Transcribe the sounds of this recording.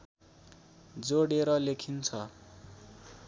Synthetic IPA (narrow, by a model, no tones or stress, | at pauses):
d͡zoɽeɾʌlekʰint͡sʰʌ